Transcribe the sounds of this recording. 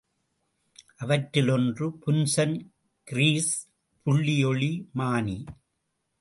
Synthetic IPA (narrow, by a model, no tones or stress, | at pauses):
ʔɐʋɐʈɾɪlɔndrɯpʊnsɐn | kɪɾiːs | pʊɭːɪjɔɭimaːni